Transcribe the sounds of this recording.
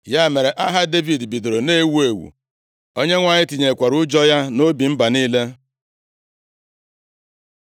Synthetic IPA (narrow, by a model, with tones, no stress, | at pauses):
ja˦me˨ɾe˨ʔa˦ɦa˦de˦vi˨dbi˨do˨ɾo˨ne˦wu˦e˨wṵ˨ | o˦ɲe˦ŋʷa˨ɲɪ˦ti˨ɲe˨kʷa˨ɾʊ˦d͡ʒɔ˦ja˦no˦bi˨m̩˦ba˨niː˦le˦